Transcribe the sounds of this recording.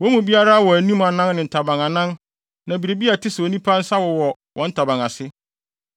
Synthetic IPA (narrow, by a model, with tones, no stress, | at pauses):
wɔ˦mũ˨bi˦a˦ɾa˦wɔ˨æ˨nĩ˦mã˨nã˦nnɪ̃˨n̩˨tʰa˨bã˨ŋã˨nã˦n | nã˨bi˨ɾe˨bi˦a˨tʰɪ˦sɪ˨ɔ˨nĩ˦pʰa˦n̩˦sa˦wɔ˨wɔ˨ | wʔɔ̃˨˦n̩˦tʰa˨bã˨ŋa˨sɪ˦